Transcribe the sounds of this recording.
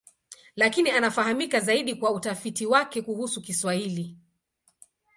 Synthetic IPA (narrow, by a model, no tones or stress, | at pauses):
lakinianafaɦamikazaiɗikwautafitiwakɛkuhusukiswahili